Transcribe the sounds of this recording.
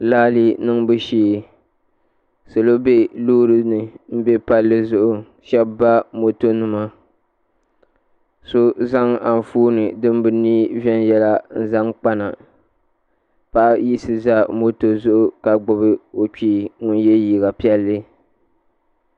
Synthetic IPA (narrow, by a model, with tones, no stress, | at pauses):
laː˦li˦nɨ˦ŋbɨ˦ʃiː˦ | so˨lo˦be˦loː˦ɾɨ˦nɨ˨m̩˦be˦pa˦lːɨ˦zʊ˦ʔʊ˨ | ʃɛ˦bːa˦mo˨to˦nɨ˨ma˦ | so˦za˦ŋa˨n˨fuː˦nɨ˨dɨ˦m˦bɨ˨niː˦vɛ˦n˦jɛ˦la˦n̩˦za˦ŋk͡pa˦na˨ | pa˦ʔji˦sɨ˨za˦mo˦to˨zʊ˦ʔʊ˦ka˨ɡ͡bʊ˦βɨ˦o˨t͡ʃiː˦˨ŋʊ˦nje˦jiː˨ɣa˨pi˦ɛ˦lːɨ˦